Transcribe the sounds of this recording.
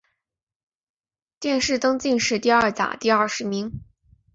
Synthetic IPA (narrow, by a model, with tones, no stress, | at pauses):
t̪jɛ˥˧nʂɻ̩˥˩t̪ɤ˥ŋt͡ɕi˥˧nʂɻ̩˥˧t̪i˥˧ɐ˞˥˩t͡sa̰˨˩˦t̪i˥˧ɐ˥˩ʂɻ̩˧˥mi˧˥ŋ